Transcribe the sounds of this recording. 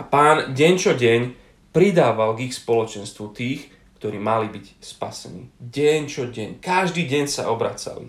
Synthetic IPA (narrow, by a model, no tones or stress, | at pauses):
apaːnɟɛɲt͡ʃɔɟɛɲ | pɾid̪aːʋalɡixspɔlɔt͡ʃɛnst̪ʋut̪iːx | kt̪ɔɾiːmalibicspa̰sɛnḭːɟɛɲt͡ʃɔɟɛɲkaʒd̪iːɟɛɲsa̰ʔɔbɾa̰ːt͡sa̰lḭ